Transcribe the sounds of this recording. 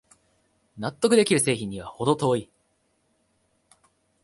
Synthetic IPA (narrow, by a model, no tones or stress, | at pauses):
nat̪ːo̞kɯ̟d̪e̞kʲiɾɯ̟se̞ːçĩɲ̟ːiβaho̞d̪o̞t̪o̞ːi